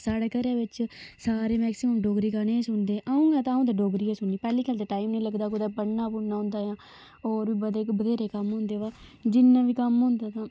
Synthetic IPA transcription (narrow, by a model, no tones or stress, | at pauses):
saːɽeːkəɾaːʋɪt͡ʃsaːɾeːmɛːksɪməmɖoːɡɾiːkanesʊɳd̪eːʔaːũːŋɡaːt̪ãːũːd̪aːɖoːɡɾiːãːsʊnːiːpɛːliːkʰəːlt̪eːʈaːiːmnẽːləɡd̪aːkʊd̪aːpəɽnaːpʊɳnaːɦʊ̃nd̪aːjãː | oːɾʋiːbəd̪eːkbəd̪eːɾeːkəmɦʊ̃ːnd̪eːʋaːd͡ʒɪnːãːʋiːkəmɦʊ̃ːnd̪aːt̪ãː